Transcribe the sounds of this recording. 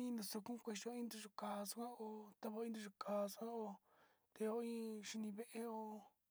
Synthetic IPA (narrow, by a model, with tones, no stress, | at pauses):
ĩ˦nũ˧so˧kũ˦˧kʷe˧ʃo˧˦ĩ˦nd̪u˧ʐu˧kaː˨˧su˦kʷã˦o˧t̪a˦˧βo˧˦ĩ˦nd̪u˧ʐu˧kaː˨˧su˧kʷã˦o˧ | t̪e˧o˧ĩ˦ʂi˧nĩ˧βe˦ʔe˦o˧